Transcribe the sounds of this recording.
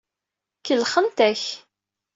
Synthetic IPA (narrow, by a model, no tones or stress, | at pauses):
kəlχəmt̪æç